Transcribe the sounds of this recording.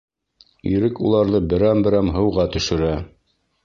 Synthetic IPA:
iɾɘkulˠɑɾðɤbɘ̆ɾæmbɘ̆ɾæmɦɤ̆wʁɑt̪ɵ̆ʃɘ̆ɾæ

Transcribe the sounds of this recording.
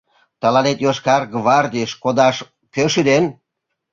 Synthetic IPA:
t̪ɑlɑnet̪joʃkɑrɡβɑrd̪ʲiʃkod̪ɑʃ | køʃyd̪en

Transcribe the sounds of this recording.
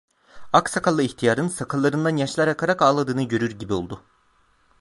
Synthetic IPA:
aksakʰalˠːɯiçt̪ʰijaːɾɯnsakʰalˠːaɾɯnd̪anjaʃlˠaɾakʰaɾakaːlˠad̪ɯːnɯɟø̞ɾyɾɟibio̞lˠd̪ʊ

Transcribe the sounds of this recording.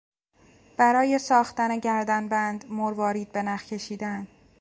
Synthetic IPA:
b̥æɾɒːje̞sɒːxt̪æne̞ɟæɾd̪ænbænd̪moɾvɒːɾiːd̪̚be̞næxcʰe̞ʃiːd̪æn

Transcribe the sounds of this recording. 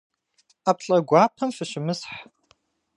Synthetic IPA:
apʰɬʼɐɡʷaːpʰɐmfɨʃɪmɨsħ

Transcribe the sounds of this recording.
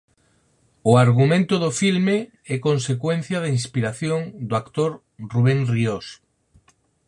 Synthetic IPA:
ʊaɾɣ̞umẽnt̪ʊðofilme | ɛkonsekwenθjaðainspiɾaθjoŋd̪oakt̪oɾ | ruβeŋrios

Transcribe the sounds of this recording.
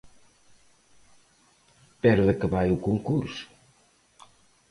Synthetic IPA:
pɛɾuðekəβajukuŋkuɾsʊ̥

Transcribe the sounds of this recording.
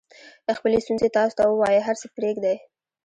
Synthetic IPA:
d̪̥əxpəlest̪unzet̪ɑso̥t̪awəwɑjəɦaɾsəpɾeɡd̪aj

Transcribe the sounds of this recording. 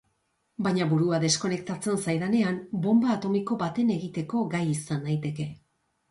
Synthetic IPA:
baɲaβuɾuaðe̞sko̞ne̞kt̪at͡se̞nsajðane̞ambo̞mbaːt̪o̞miko̞bat̪e̞ne̞ɣit̪e̞ko̞ɡajisanːajt̪e̞ke̞

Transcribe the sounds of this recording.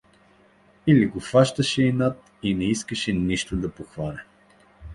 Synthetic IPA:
iliɡofaʃt̪ɐʃɛinat̪̚ | inɛiskəʃɛniʃt̪od̪ɐpoxvanɛ

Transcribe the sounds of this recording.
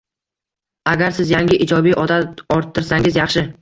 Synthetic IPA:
aɡʲaɾsɪzjaŋɡʲɪʔɪd͡ʒɒbijʔɒd̪at̪ɒɾt̪ʰːɪɾsaŋʲɪzjɑχʃɪ

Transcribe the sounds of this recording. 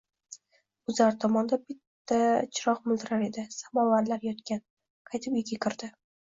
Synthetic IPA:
ʊzaɾt̪ʰɒmɒnd̪abɪt̪ʰːat͡ʃʰɪɾɒqmʊlˠd̪ɪɾaɾe̞d̪ɪsamɒvaɾlaɾjɒt̪kʲan | qʰɑjt̪ʰɪpjekʲakʲʰɪɾd̪ɪ

